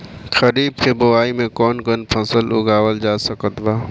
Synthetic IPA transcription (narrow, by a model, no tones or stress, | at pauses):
xɐɾiːb̚kebʊaːimẽkɔːnkənpʰɐsəlʊɡaːwəld͡ʒaːsəkət̪baː